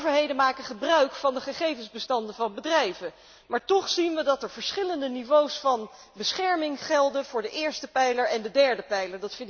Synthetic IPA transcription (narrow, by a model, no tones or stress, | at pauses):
vəɹɦejdənmaːkəχəbrœɥkfɑndəχəχejvənzbəstɑndəvɑnbədrɛjvən | maːɹtɔχsinʋədɑtɛɹv̥əɹsχɪləndənivowsfɑn | bəsχɛɹmɪŋχɛlˠdənvʊːɹdəʔɪːɹstəpɛjləɹɛndədɛɹdəpɛjləɹdɑtfɪn